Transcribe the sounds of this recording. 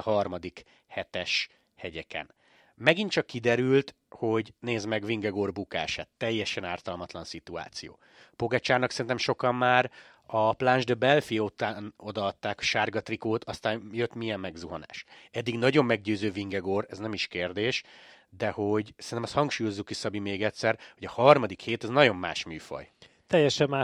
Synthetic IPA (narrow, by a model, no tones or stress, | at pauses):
hɒrmɒd̪ik | hɛt̪ɛʃ | hɛɟɛkɛ̰n | mɛɡint͡ʃɒkːid̪ɛɾylt̪ | ho̞ɟneːzmɛɡviŋɡɛɡoːrbuka̰ːʃa̰ːt̪ːɛjːɛʃɛnaːrt̪ɒlmɒt̪lɒnsit̪ua̰ːt̪sijo̰ː | poɡat͡ʃaːrnɒksɛɾint̪ɛmʃo̞kɒmːaːɾ | ɒplanʒd̪øbɛlfiot̪aːno̞d̪ɒɒt̪ːaːkɒ̥ʃaːrɡɒt̪rikoːt̪ɒst̪aːnjøt̪mijɛmːɛɡzuɦɒna̰ːʃɛd̪ːiɡnɒɟo̞mːɛɡɟøːzøːviŋɡɛɡoːrɛznɛmiʃkeːrd̪eːʃd̪ɛho̞ɟsɛɾinɛmɛst̪hɒŋkʃuːjo̞zːukːisɒbimeːɡɛcʲsɛrho̞ɟɒhɒrmɒd̪ikheːt̪ɛznɒɟo̞mːaːʃmyːfɒ̰j | t̪ɛjːɛʃɛmːa